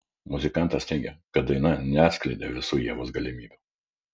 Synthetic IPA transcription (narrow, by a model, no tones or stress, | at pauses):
mʊzʲɪkɑˑnˑt̪ɐst̪ʲɛɪɡʲɛkɐt̪̚d̪ɐɪnɐnʲɛɑːt̪sʲklʲɛɪd̪ʲeʋʲɪsuːjiɛʋoːsɡɐlʲɪmʲiːbʲɛ